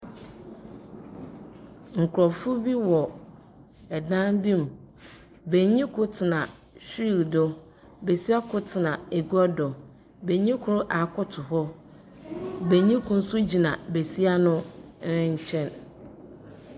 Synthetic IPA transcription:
ŋ̩˨kʰʊ˨ɾɔ˨fʊ˦bi˦wɔ˨ | ɛ˨dã˦nbi˦m˨ | be˨ɲĩ˦kʰʊ˦tʰɪ˨nã˨ | ɕᶣɾi˨ldʊ˦ | be˨si˦a˦kʰʊ˦tʰɪ˨nã˨e˨ɡɔ˦dɔ˨ | be˨ɲĩ˦kʰʊ˦ɾʊ˦ʔa˨kʰʊ˦tʰʊ˨ɦɔ˦ | be˨ɲĩ˦kʰʊ̃˨n̩˦su˦d͡ʑi˨nã˨be˨si˦a˦nʊ̃˦ɪ̃˦ɲ̩˦t͡ɕʰɛ̃˦n

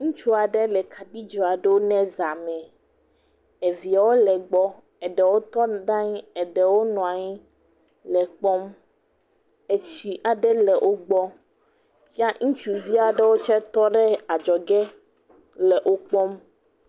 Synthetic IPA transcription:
ŋũ˦t͡ʃu˦a˨ɖɛ˦lɛ˨kʰa˨di˦d͡ʒɔ˨a˨ɖɛ˦wo˦nɛ̃˦za˨mɛ̃˨ | e˨vi˨a˨wo˦lɛ˨ɡ͡bɔ˦ | ɛ˨ɖɛ˨wo˦t̪ɔ˦d̪ã˦ɲi˦ɛ˨ɖɛ˨wo˦nɔ̃˨a˨ɲi˦ | lɛ˨k͡pɔ˦m | e˨t͡ɕi˨ʔa˨ɖɛ˦lɛ˨ʔo˦ɡ͡bɔ˦ | fi˦a˦ŋũ˦t͡ʃu˨vi˦a˨ɖɛ˦wo˦t͡ʃɛ˦t̪ɔ˦ɖɛ˦a˨d͡ʒɔ˨ɡɛ˦ | lɛ˨ʔo˦k͡pɔ˦m

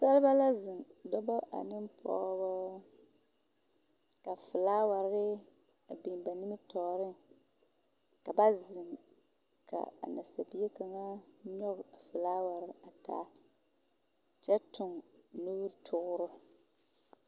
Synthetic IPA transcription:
sa˦lɨ˦ba˦la˦zɪ˨ndɔ˦ba˦ʔa̰˨nɪ˦m˦pʰɔ̰˦bɔ˦ | ka˨fɪ˨laː˦wa˨ɾɾɪ˦ | a˨bi˨n˨ba˨ni˦mɪ˦tɔː˨ɾɪ˦ŋ | ka˨ba˦zɪ˨ŋ | ka̰˨a̰˨na˨sa˨bi˦e˦ka˨ŋa˦ɲɔ˦ɣʊ˨a˨fɨ˨laː˦wa˨ɾɪ˦a˨ta̰ː˦ | t͡ʃɛ˦tʊ˨ŋnu˦ɾtʰʊ˦ɣʊ˦ɾʊ˦

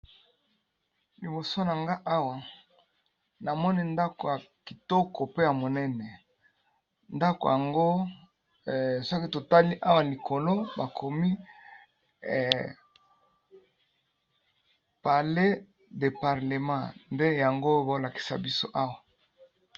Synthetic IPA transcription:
li˨bo˨so˦na˨ŋɡa˦ʔa˦wa˨ | na˨mɔ˦ni˦nda˦ko˨ja˨ki˨tɔ˦ko˨pe˦ja˨mo˨nɛ˦nɛ˨ | nda˦ko̰˨ja˨ŋɡo˦˨ | swa˦ki˦to˨ta˦li˦ʔa˦wa˨li˨kʰo˨lo˦ba˨kʰo˨mi˦˨ | pa˨le˦ | de˨pa˨ʁle˨mã˦˨nde˦ja˨ŋɡo˦bo˨˦la˨ki̥˨sa̰˨bi˦so˦ʔa˦wa˨

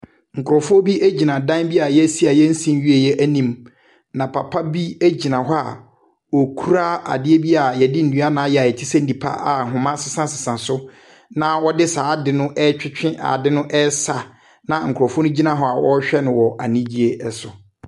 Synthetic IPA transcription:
ŋ̩˨kʰʊ˨ɾɔ˨fʊ˦ɔ˦bi˦ʔæ˦d͡ʑi˨nã˨dã˦nbi˦a˨jɛ˦si˦a˨jɛ˦n̩˦sĩ˦m˦ɥi˦e˦˨jɛ˦ʔæ˦nĩ˦m | nã˨pʰa˨pʰa˦bi˦æ˦d͡ʑi˨nã˨ɦɔ˦a̰˨ | ɔ˨kʰu˦ɾa˦a̰˨dɪ˦e˦bi˦a˨jɛ˨dɪ˦n̩˨du˨˦a˦nã˨˦jɛ˨a˨jɛ˨tʰi˦sã˦n̩˦dĩ˨pʰa̰˦ʔa˨ɦʊ̃˨mã˦sɪ˨sã˦sɪ˨sã˨sʊ˦ | nã˨wɔ˦dɪ˦saː˨˦dɪ˨nʊ̃˦ʔɛ˦t͡ɕᶣɪ˦t͡ɕᶣɪ̃˦ʔa̰˨dɪ˦nʊ̃˦ʔɛ˦sa˨ | nã˨ŋ̩˨kʰɔ˨fɔ˦nʊ̃˦d͡ʑi˦nã˨ɦɔ˦a˨wɔ˦ɕᶣɛ˦nʊ̃˨wɔ˨ʔa̰˨nĩ˦d͡ʑi˦e˦ɛ˦sʊ˨

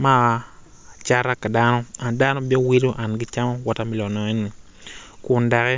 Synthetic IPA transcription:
ma˦˨a˨ | t͡ʃa˦ɾa˦ka˨da˦nɔ˦a˨nda˦nɔ˦bɛ˦we˦do˦ʔa˨nɡɪ˦t͡ʃa˦mɔ˦wɔ˦ta˦mɪ˨lɔ˨nɔ˨ɛ˦ni˨ | kʊ˨nda˨kɛ˦

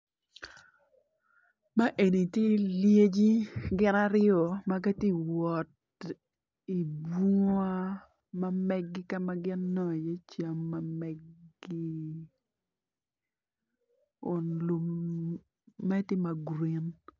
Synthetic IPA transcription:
ma˦ʔe˨ni˨tje˦lje˦d͡ʒi˦ɡɪ˦na˦ɾɪɔ˨ma˦ɡɐ˦ti˦˨wɔ˨t | i˨bu˦a˦ | mɐ˦mɛ˦ɡːɪ˦ka˦mɐ˦ɡɪ˦nːɔ˦˨je˦t͡ʃa˨mːɐ˦mɛ˨ɡi˦ | ʊ˨nlu˦m | ɛ˦tɪ˦ma˨ɡɾi˨n

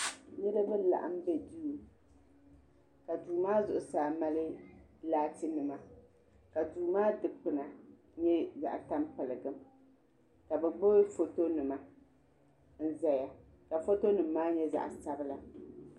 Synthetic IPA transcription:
ɲɛ˦la˦bɨ˦la̰˨ʔa̰˦mbɛ˨du˦˨ | ka˨duː˨maː˦zʊ˨ʔʊ˨saː˨ma˦lɨ˦laː˦tɨ˦nɨ˨ma˨ | ka˨duː˨maː˦dɨ˨k͡pɨ˨na˨ | ɲɛ˦za̰˨ʔta˦mpɨ˨lɨ˨ɡɨ˦m | ka˨bɛ˨ɡ͡bo˦fo˦to˦nɨ˨ma˨ | n̩˦za˦ja˨ | ka˨fo˦to˦nɨ˨m̩ːaː˦ɲɛ˦za̰˨ʔsa˦bɨ˦la˨

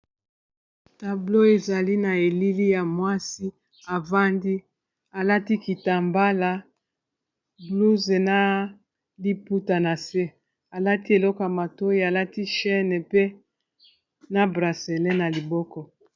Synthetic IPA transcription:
ta˨blo˦e˨za˨li˦na˨e˨li˦li˦ja˨mwa˦si˦ | a˨va˦ndi˦ | a˨la˦ti˦ki˨ta˨mba˦la˨ | blu˦ze˨na˦ | li˦pu˦ta˨na˨se˦ | a˨la˦ti˦e˨lɔ˦kɔ˨ja˨ma˨to˦i˦a˨la˦ti˦ʃɛ˦nɛ˨pe˦ | na˦bʁa˨se˨lɛ˦na˨li˨bɔ˦kɔ˦

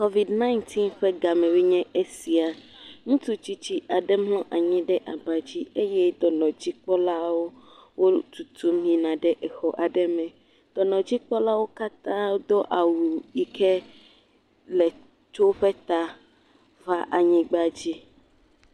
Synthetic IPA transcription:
kɔ˦vi˨dnã˦i˦nt̪ʰi˦nɸɛ˦ɡa˨mɛ̃˨we˦ɲɛ̃˦ʔe˦si˨a˨ | ŋũ˦t̪u˦t͡ɕi˦t͡ɕi˦ʔa˨ɖɛ˦mlɔ̃˦ʔa˨ɲĩ˦ɖɛ˦ʔa˨ba˨d͡ʑi˦e˦jɛ˦d̪ɔ˨nɔ̃˨d͡ʑi˦k͡pɔ˦la˦wo˦ | wo˦t̪u˨t̪u˦mĩ˦nã˨ɖɛ˦ʔɛ˨xɔ˨ʔa˨ɖɛ˦mɛ̃˨ | d̪̥ɔ˨nɔ̃˨d͡ʑi˦k͡pɔ˦la˦wo˦ka˦t̪ã˦d̪ɔ˦ʔa˨wu˨i˨kʰɛ˦ | lɛ˨ | t͡ʃo˦ɸɛ˦t̪a˦ | va˦ʔa˨ɲĩ˦ɡ͡ba˦d͡ʑi˦

